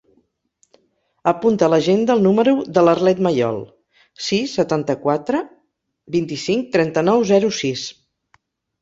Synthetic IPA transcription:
əpunt̪ələʒend̪əlˠnuməɾuðələrlɛt̪məjɔ̰lˠ | sisːət̪ant̪əkwat̪ɾə | bint̪isiŋk̚t̪ɾɛnt̪ənɔwzɛɾusis

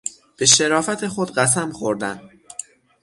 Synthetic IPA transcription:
b̥e̞ʃe̞ɾɒːfæt̪ʰe̞xod̪ɢæs̬æmxoɾd̪æ̰n

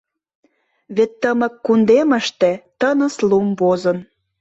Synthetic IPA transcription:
βet̪ːəmə̆kːund̪emə̆ʃt̪ĕt̪ənə̆slumβozən

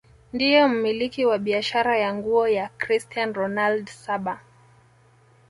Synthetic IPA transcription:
ndijɔm̩milikiwaɓiaʃaɾajaŋɡuɔjakɾistianɾɔnaldsaɓa

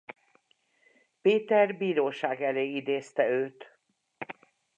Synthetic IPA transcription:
peːt̪ɛrbiːɾoːʃaːɡɛleːid̪eːst̪ɛøːt̪

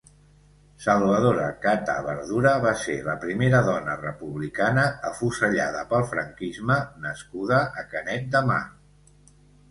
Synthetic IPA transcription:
səlˠβəð̞oɾəkat̪ə̰βə̰ɾðuɾəβasḛləpɾimeɾəðɔnərəpuβlikanəəfusəʎaðəpəlˠfɾəŋkizmənəskuðəʔəkənɛt̪̚d̪əma̰

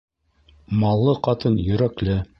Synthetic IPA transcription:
mɑlˠːɤqɑt̪ɤnjɵ̆ɾæklɘ

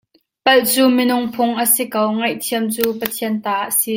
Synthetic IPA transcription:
pɐlt͡suːmɪnʊŋpʰʊŋʔəsikowŋɐjʔt̪ʰiəmt͡suːpət̪ʰiənt̪aːʔəsi

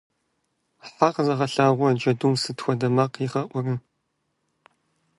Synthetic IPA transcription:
ħaːqzɐʁɐɬaːʁʷʊd͡ʒɐdumsɨtxʷɔdɐmaːqiːχɐʔʷɔrɨ

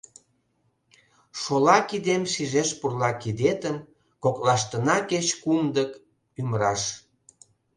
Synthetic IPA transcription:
ʃolɑkid̪emʃiʒeʃpurlɑkid̪et̪əm | koklɑʃt̪ənɑket͡ɕkumd̪ək | ymɾɑʃ

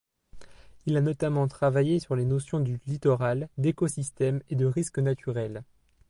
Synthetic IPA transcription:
ilanɔt̪amɑ̃t̪χavajesyʁlenɔsjɔ̃d̪ylit̪ɔʁald̪ekɔsist̪ɛmed̪əʁiskənat̪ʰyʁɛl

